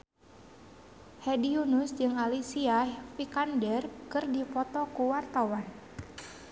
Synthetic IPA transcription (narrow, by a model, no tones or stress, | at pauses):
hɛdiunusd͡ʒɨŋalisiafikandɛrkɨrdipɔt̪ɔkuwart̪awan